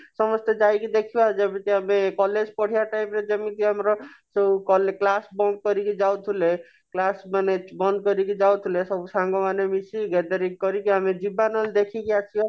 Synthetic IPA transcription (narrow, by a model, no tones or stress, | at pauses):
sɔmɔst̪ɔd͡ʒajkid̪ekʰibad͡ʒɔbit̪iamekɔled͡ʒpɔɽ̤ijaʈajpɾed͡ʒɔmit̪iamɾɔsebukɔleklasbɔŋɡ̚kɔɾikid͡ʒawt̪ʰule | klasmanebɔnd̪̚kɔɾik̬id͡ʒawt̪ʰulesɔbusãŋɡɔmanemisiɡɛd̪aɾikkɔɾikiamiɖibanɔld̪ekʰikiat͡ʃʰijɔ